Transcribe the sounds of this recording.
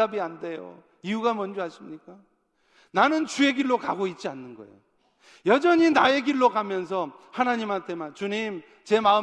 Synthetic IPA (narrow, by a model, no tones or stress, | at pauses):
abiande̞jo̰ | iuɡamʌnd͡ʑoɦaɕʰimɲik͈a | nanɯnt͡ɕue̞ɡiɭːoka̰ɡoit̚t͡ɕ͈ianːɯnɡʌ̰ḛjo | jʌd͡ʑʌɲinae̞ɡiɭːokamjʌns̬ʰʌhanaɲimɦantʰe̞mant͡ɕuɲim | t͡ɕe̞maɯ